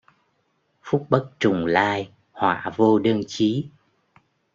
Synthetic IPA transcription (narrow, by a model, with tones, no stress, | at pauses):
fʊ˦˥k͡p̚ɓə˦˥k̚t͡ɕʊ˨˩ŋ͡mlaː˧j | hwa̰ː˧˨vo˧ɗə˧nt͡ɕi˨˦